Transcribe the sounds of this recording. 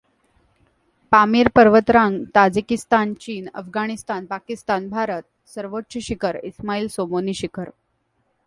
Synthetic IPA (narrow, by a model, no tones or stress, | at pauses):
pamiːɾpəɾʋət̪ɾaŋɡt̪ad͡zikist̪ant͡ɕiːnə̰fɡaɽ̃ist̪anpakist̪anbʱaɾət̪̚ | səɾʋotːɕəɕikʰəɾismaiːlsomoniːɕikʰəɾ